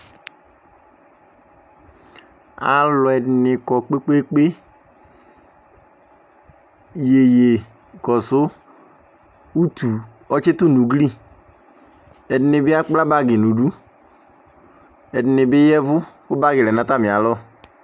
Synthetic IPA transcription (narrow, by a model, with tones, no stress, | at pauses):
a̰˨lɔ˨ɛ˨dɪ˨nɪ˨kɔ˨k͡pe˦k͡pe˦k͡pe˦ | je˨je˨ | kɔ˨sʊ˦ | u˦t̪u˨ | ɔ˦t͡ʃɪ˦tʊ˦nu˨ɡli˦ | ɛ˨dɪ˨nɪ˨bɪ˦a˦k͡pla˦ba˦ɡɪ˨nu˨du˦ | ɛ˨dɪ˨nɪ˨bɪ˦jɛ˦vʊ˦kʊ˦ba˦ɡɪ˨lɛ˨nã˦ta˦˨mɪ˨a˨lɔ˦